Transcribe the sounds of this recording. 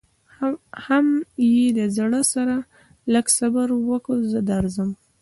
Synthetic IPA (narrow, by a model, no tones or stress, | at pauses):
hamjed̪əzɽəsaɾa | ləɡsabaɾwəkəzəd̪aɾzəm